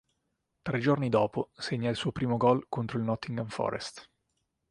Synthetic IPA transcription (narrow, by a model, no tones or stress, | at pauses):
t̪ɾed͡ʒornid̪ɔːposeɲːailsuːopɾiːmoɡɔlkont̪ɾoilnɔt̪ːiŋɡaɱfɔ̰ːɾḛst̪